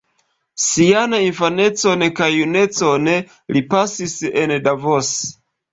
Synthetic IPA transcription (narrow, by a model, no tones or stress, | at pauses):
sianainfane̞t͡so̞nekajːune̞t͡sone | lipasisendavos